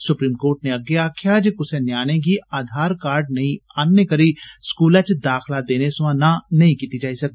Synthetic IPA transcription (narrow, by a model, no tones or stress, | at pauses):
sʊpɾiːmkoːɾʈneɐɡejakjaːd͡ʒekʊsenjaːñẽk̬iaːd̪ʱaːɾkaːɾɖ̚nɐɦĩaːnjəkɐɾiskuːlãt͡ʃd̪aːkʰlad̪eːnesʊʋãnanɐɦĩkiːt̪id͡ʒaːisɐk̚t̪i